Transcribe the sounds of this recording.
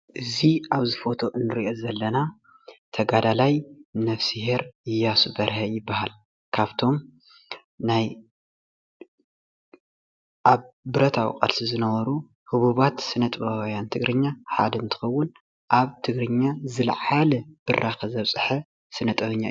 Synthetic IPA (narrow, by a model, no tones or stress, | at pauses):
ʔɨziaβzɨfo̞t̪ʰo̞ʔɨnːɨɾiʔo̞zɐlːɐna | t̪ʰɐɡad̪alajnɐfsiheɾɪjasubɐɾhɐjɪbːahal | kʰaβt̪ʰo̞m | naj | ʔaβbɨɾɐt̪ʰa̰wḭkʼɐ̰lsizɨnɐβɐɾu | hɨβuβat̪sɨnɐt̪ʼβawjant̪ʰɨɡɾʔɨɲːaħa̰d̪ɐɨnt̪ʰɨ̥xɐwːʊn | ʔaβt̪ʰɨɡɾɨɲːazɨlʕalɐb̥ɨraxɐzɐβsʼɨħɐ | sɨnɐt̪ʼɐβɨɲːa̰